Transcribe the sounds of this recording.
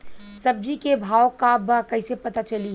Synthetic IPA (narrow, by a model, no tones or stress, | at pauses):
sɐb̚d͡ʒikebʱaːokabɐkɐisepɐt̪at͡ʃɐli